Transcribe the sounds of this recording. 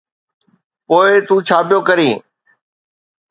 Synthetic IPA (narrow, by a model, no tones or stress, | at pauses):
poːɪt̪ũːt͡ʃʰaːpɪjoːkəɾiː